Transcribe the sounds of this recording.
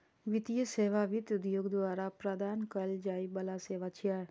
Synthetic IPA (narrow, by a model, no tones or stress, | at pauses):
ʋɪt̪ijəseːʋaʋɪt̪ʊd̪joːɡd̪ʋaːɾapɾəd̪aːnkɐld͡ʒaːibɐlaseːʋat͡ʃʰijaː